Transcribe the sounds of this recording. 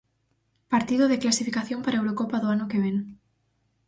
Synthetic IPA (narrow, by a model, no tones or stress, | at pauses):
paɾt̪iðoðeklasifikaθjompaɾaewɾokopaðoanokeβ̞en